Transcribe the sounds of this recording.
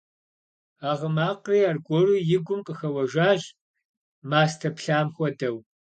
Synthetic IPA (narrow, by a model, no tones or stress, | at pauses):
aːʁəmaːqriːaːrɡʷʼɔrujɪɡʷʊmqʼəxɐwɐʒaːʑ | maːstʰɐpɬaːmxʷɔdɐw